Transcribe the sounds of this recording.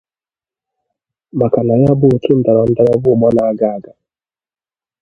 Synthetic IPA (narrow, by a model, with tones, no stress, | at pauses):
ma˨ka˨na˨ja˦bu˦˨ki˦n̩˨da˨ɾɔ˨n̩˦da˦a˦vu˦˨mɔ˦naː˨˦ɡa˦˨ɡa˨